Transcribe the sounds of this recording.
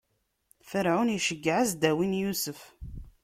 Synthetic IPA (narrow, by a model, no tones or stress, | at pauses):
fəɾʕʊnjʃəɡːʕəzd̪æwinjusəf